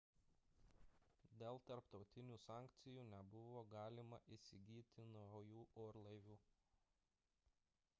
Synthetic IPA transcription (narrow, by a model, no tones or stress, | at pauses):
d̪ʲeːlˠt̪ɐɾpt̪ɒʊt̪ʲɪnʲuːsɑːˑŋʲkt̪sʲɪjuːnʲɛbʊʋoːɡɑːlʲɪmɐʔɪsʲɪɡʲiːt̪ʲɪnjuːʔoːɾlˠɐɪʋʲuː